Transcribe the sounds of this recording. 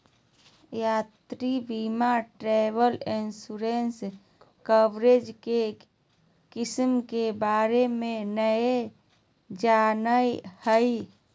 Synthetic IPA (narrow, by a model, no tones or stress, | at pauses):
jat̪ɾibimaʈɾɛbəlinsuɾens | kəbɾed͡ʒke | kismkebaɾemẽnəe | d͡ʒanəjhəi